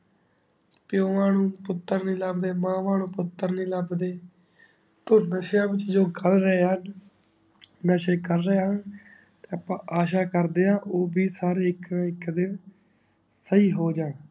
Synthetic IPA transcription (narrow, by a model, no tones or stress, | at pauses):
pjõːmaːnũːpʊt̪ːəɾnĩːləbd̪eːmãːmaːnũːpʊt̪ːəɾnĩːləbd̪eː | t̪oːnəʃjãːʋɪt͡ʃd͡ʒoːɡəlɾəeːɦən | nəʃeːkəɾːəeːɦən | t̪eːaːpãːʔaːʃaːkəɾd̪eːãːʔoːbiːsaːɾeːɪkːɪkːd̪ɪn | səiːɦoːd͡ʒaːn